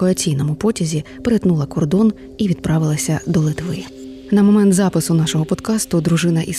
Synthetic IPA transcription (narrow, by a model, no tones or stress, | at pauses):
ɔɐt͡sʲijnɔmʊpɔtʲɐzʲi | peɾet̪nulˠɐkɔrd̪ɔn | iʋʲid̪̚pɾɑʋɪlˠɐsʲɐd̪ɔlˠɪt̪ʋɪ | nɐmɔmɛnt̪zɑpɪsʊnɑʃɔɦɔpɔd̪kɑst̪ʊd̪ɾʊʒɪnɐʔis